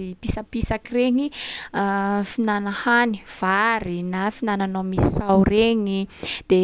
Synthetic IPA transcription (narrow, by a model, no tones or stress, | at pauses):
ipisəpisakireŋi | finanəhani̥v̥aɾinafinananomisi̥sawreɲid̪̥e